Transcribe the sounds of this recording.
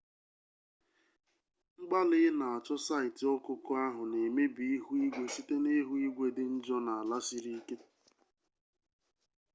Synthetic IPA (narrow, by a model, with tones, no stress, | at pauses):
ŋ͡m̩˦ɡ͡ba˦lɪ˨˦ɪ˦na˨a˨t͡ʃɔ˦sa˦ɪ˨tɪ˨ɔ˦kʊ˦kʊ˦a˦ɦʊ˨ne˨me˦bi˨i˦ɦu˦i˦ɡʷe˦si˦te˦ne˦ɦu˦i˦ɡʷe˦dɪ˦n̩˦d͡ʒɔ˦na˨a˨la˦si˦ɾi˦i˦ke˦